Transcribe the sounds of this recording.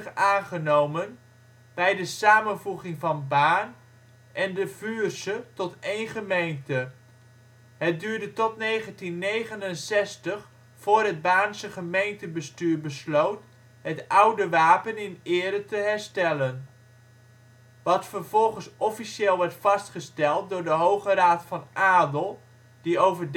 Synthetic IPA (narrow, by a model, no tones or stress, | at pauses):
aːnχənowmən | b̥ɛjdəsaːmənvuχɪŋvɑnbaːn | ʔɛndəvyːrsətɔtejnχəmejntə | ɦət̚dyːɹdətɔtnejχəntinːejχənənsɛstəχ | fʊːrɦəd̚baːnsəχəmejntəbəstyːɹbəslowt | ɦətʌwdəʋaːpənɪnɪːɾətəɦɛɹstɛlən | ʋɑtfəɹv̥ɔlˠχənsʔɔfiʃeːlˠʋɛɹtfɑstχəstɛlˠt̚dʊːɹdəɦowχəraːtfɑnʔaːdəlˠ | d̥iowvəd